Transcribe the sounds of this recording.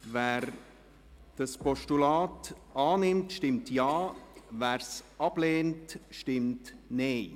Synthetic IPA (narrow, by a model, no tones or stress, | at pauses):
væːɾ | d̥ɑspɔʃtulɑːt | ɑːnɪmtʃtɪmtjɑːvæːɾsɑb̥leːntʃtɪmtnɛɪ